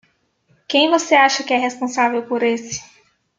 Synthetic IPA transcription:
kẽj̃voseaʃɐkɪɛɦespõsavewpoɾesɪ̥

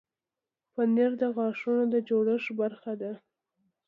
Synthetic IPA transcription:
pəneɾd̪əɣɑʂunod̪əd͡ʒoɽəʃbaɾxad̪a

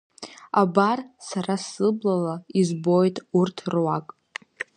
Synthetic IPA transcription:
abarsaɾasɨblalaizbo̞jtʼurtʰrwakʼ

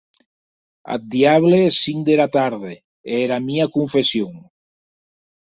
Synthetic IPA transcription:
a̰t̪̚d̪iaβ̞lesiŋd̪eɾat̪aɾðe | eɾamiakuɱfesjoŋ

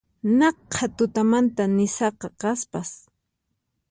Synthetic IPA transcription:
nɑqʰːat̪ʊt̪amant̪anɪsɑqɑqɑspas

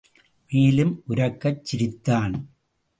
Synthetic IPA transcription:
meːlɯmʔʊɾɐkːɐt͡ʃːɪɾɪt̪ːaːn

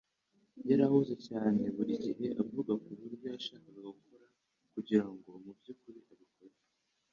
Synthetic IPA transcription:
jaɾahuzecaːne̞βuɾiɟiɦe̞ʔavuɡakuβuɾbjoaʃakaβaɡukʰoɾa | kuɟiɾaŋɡo̞umubɟukuɾiʔaβikoɾe

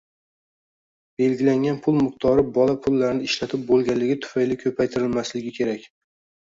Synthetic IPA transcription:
b̥e̞lɡʲɪlaŋʲanpʰʊlˠmʊχt̪ʰɒɾɪbɒlapʰʊlːaɾnɪɪʃlat̪ʰɪp̚bolˠɡʲanlːɪɡʲɪt̪ʰʊ̥fajlɪkʲʰɵpʰajt̪ʰɪɾɪlmaslɪɡʲɪkʲʰe̞ɾakʲ

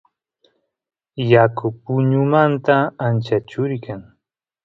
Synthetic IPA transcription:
jakʊpʊɲʊmant̪aːnt͡ʃat͡ʃʊɾkaŋ

